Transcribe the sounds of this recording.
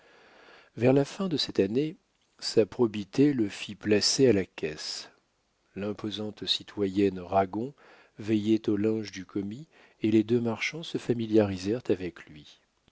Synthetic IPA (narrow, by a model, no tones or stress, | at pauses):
vɛʁlafɛ̃d̪əsɛt̪ane | sapχɔbit̪eləfiplasealakʲɛs | lɛ̃pozɑ̃t̪sit̪ʰwajɛnʁaɡɔ̃ | vɛjɛt̪olɛ̃ʒd̪ykʰɔmi | eled̪ømaʁʃɑ̃səfamiljaʁizɛʁt̪avɛklɥi